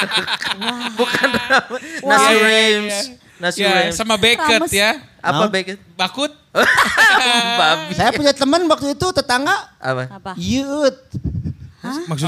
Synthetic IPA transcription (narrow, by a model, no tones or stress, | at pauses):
bukananasuɾems | nasiɾesamabekəja | apabekət̪̚bakʊt̪̚ | babisajapuɲd͡ʒait̪əmənwak̚t̪uit̪ut̪ət̪aŋaʔa̰pajut̪̚ | aks